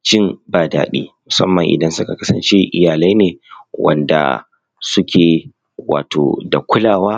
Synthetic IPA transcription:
t͡ʃɪ˦mbaː˨da̰ː˦ɗḭː˦mʊ˨sɐ˦mːɐ˨ŋʔɪ̰˨dɐ˦nsʊ˦ka˨kɐ˦sɐ˨nt͡ʃe˦ʔɪ̰˦jaː˨la˦jneː˨wʔɐ̰˦˨nda̰˨ | sʊ˦kʲʰeː˨ | wa̰ː˨tʰo̰ː˨da˨kʷʊ˦laː˨waː˦

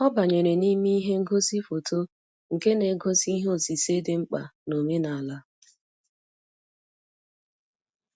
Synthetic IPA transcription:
ɔ˦ba˨ɲe˨ɾe˨ni˦mi˦ɦe˦ŋ̩˦ɡo˦si˦fo˨tʰo˦ | ŋ̩˨ke˦ne˨˦ɡo˦si˦ɦo˦˨si˨se˦dɪ˦ŋ͡m̩˦k͡pa̰˨no˨me˦na˨la˦

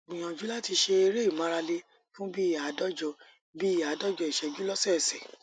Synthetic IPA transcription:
ɡ͡bĩ˨j̃ɔ̃˨d͡ʒu˦la˦ti˧ʃe˧e˧ɾe˦i˦˨mã˨˦ɾa˧le˦ | fũ˦bi˦i˦˨ja˨˦dɔ˦d͡ʒɔ˧ | bi˦i˦˨ja˨˦dɔ˦d͡ʒɔ˧˨i˨ʃɛ˨d͡ʒu˦lɔ˦sɛ˦˨sɛ˨

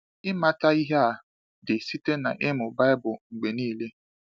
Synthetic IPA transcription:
ɪ˦ma˦ta˦i˦ɦe˦a˨ | dɪ˨si˦te˦na˨ʔɪ˦mʊ˨ba˦ɪ˦bʊ˨ŋ͡m̩˨ɡ͡be˨niː˦˨le˦

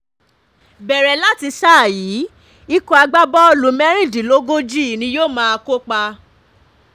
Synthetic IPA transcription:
bɛ˨ɾɛ˨la˦ti˧sa˦˨jiː˨˦ | i˦ko˧a˧ɡ͡ba˦bɔ˦˧lu˨mɛ˦ɾ̃ĩ˦˨di˨lo˦ɡo˦d͡ʒi˦˨nĩ˧˦joː˦˨mãː˦a˧ko˦k͡pa˧

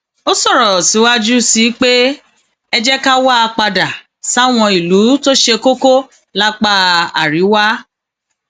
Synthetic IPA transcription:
o˦sɔ˦˨ɾɔ˨si˨˦wa˦d͡ʒu˦si˨˦k͡pe˦ | ɛ˧d͡ʒɛ˦ka˦wa˦a˧k͡pa˧da˨ | sa˦˨w̃ɔ̃˧i˨lu˨˦to˦ʃe˧ko˦ko˦ | la˦k͡pa˦a̰˨ɾi˨˦wa˦

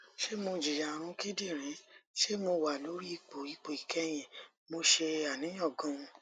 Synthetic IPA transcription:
ʃe˦mo˧d͡ʒi˨ja˨ɾ̃ũ˧ki˦di˦˨ɾ̃ĩ˨˦ʃe˦mo˧wa˨lo˨˦ɾi˦i˧k͡po˨i˧k͡po˨i˨kɛ˦j̃ɛ̃˨ | mo˧ʃe˧a˨nĩ˨˦j̃ɔ̃˦˨ɡɔ̃˦ũ˧

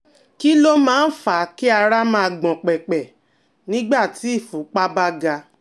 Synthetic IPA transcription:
ki˦lo˦mãː˦n̩˦fa˨˦ki˦a˧ɾa˦mã˦˧ɡ͡bɔ̃˨k͡pɛ˨k͡pɛ˨ | nĩ˦ɡ͡ba˦˨tʰi˨˦i˦˨fu˨˦k͡pa˦ba˦ɡa˧

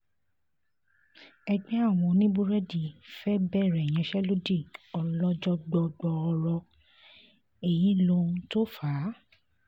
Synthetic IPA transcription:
ɛ˧ɡ͡bɛ˦a˦˨w̃ɔ̃˧nĩ˦bu˦ɾɛ˦di˨fɛ˦bɛ˦˨ɾɛ˨j̃ɛ̃˧ʃɛ˦lo˦di˦˨ɔ˧lɔ˦d͡ʒɔ˦ɡ͡bɔ˧ɡ͡bɔ˧ɔ˧ɾɔ˧ | e˨jĩ˨˦lo˧˦to˦fa˨˦

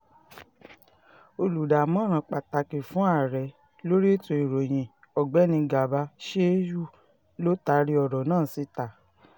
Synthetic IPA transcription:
o˧lu˨da˨mɔ̃˦ɾ̃ã˧˦k͡pa˨ta˧ki˨fũ˨˦a˦˨ɾɛ˨ | lo˦ɾi˦to˧i˨ɾo˨j̃ĩ˨ | ɔ˨ɡ͡bɛ˨˦nĩ˧ɡa˨ba˧˦ʃe˦ju˦ | lo˦ta˧˦ɾi˧ɔ˨ɾɔ˨nãː˦˨si˨˦ta˨

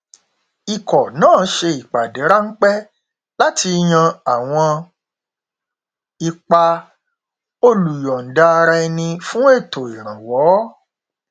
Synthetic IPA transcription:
i˨kɔ˨nãː˦˨˦ʃe˧i˨k͡pa˨de˨˦ɾa˦n̩˦k͡pɛ˦ | la˦tʰi˧j̃ã˧a˨w̃ɔ̃˧ | i˨k͡pa˨ | o˧lu˨jɔ˨n̩˨da˧ɾa˧ɛ˧nĩ˧fũ˦e˦˨to˨i˨ɾ̃ã˨wɔ˨˦

